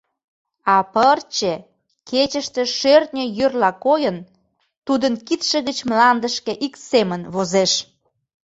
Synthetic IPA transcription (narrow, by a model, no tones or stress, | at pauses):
ɑpərt͡ɕe | ket͡ɕəʃt̪ĕʃørt̪̚nʲəjørlɑkojən | t̪ud̪ənkit̪ʃə̆ɣət͡ɕmlɑnd̪əʃkĕʔiksemənβozeʃ